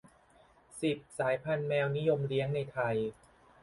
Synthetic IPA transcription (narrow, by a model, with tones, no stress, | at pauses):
si˨˩p̚saː˩˦jpʰa˧nmɛː˧wni˦˥jo˧mɾi˦˥əŋna˧jt̪ʰa˧j